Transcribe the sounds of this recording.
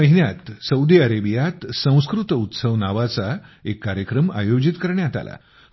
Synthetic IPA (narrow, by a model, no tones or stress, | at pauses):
əɦinjat̪səud̪iaɾebijat̪sə̃w̃skɾut̪ut̪səʋnaʋat͡saekːaɾjəkɾəma̰jod͡ʑit̪kəɾɳjat̪a̰lʔa̰